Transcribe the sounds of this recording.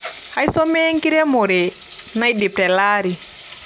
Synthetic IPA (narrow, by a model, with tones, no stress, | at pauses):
ha˦jsɔ˦me˦ŋki˦ɾe˦mo˨ɾe˨ | na˦jdi˨p̚tɛ˨laː˦ɾi˨